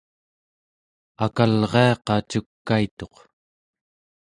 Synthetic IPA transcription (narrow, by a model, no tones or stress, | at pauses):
akalʁe̞ɑqɑt͡ʃukːait̪o̞q